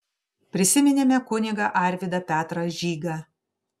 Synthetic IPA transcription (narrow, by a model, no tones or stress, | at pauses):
pʲɾʲɪsʲɪmʲɛnʲemʲɛkʊnʲɪɡɐʔɑɾʲʋʲɪd̪ɐpʲæːt̪ɾɐʒʲiːɡɐ